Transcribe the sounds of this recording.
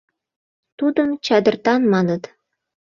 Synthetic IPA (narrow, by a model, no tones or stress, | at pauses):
t̪ud̪ə̆mt͡ɕɑd̪ɤ̆rt̪ɑnmɑnɤ̆t̪